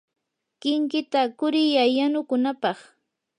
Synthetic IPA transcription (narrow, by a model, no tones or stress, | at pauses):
kɪŋkɪt̪akʊɾɪjajanʊkʊnapɑχ